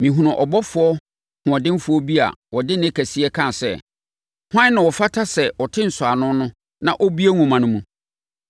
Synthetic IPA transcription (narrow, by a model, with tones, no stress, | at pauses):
mĩ˨ɦũ˨ʊ̃˨ʔɔ˨bɔ˦fʊ˨ɔ˦ | hʊ̃˨ɔ̃˨dɪ̃˦m˦fʊ˨ɔ˦bi˦a̰˨wɔ˨dɪ˦nɪ̃˦kʰæ˨si˦ɛ˦kʰã˦˨sɛ̰˦˨ | hã˦nã˨wɔ˨fa˦tʰa˦sɛ˨wɔ˨tʰɪ̃˦n̩˨sʊ˨a˨nʊ̃˦nʊ̃˦ | nã˨ʔɔ˦bi˦e˦ŋũ˨mã˨nʊ̃˦mũ˨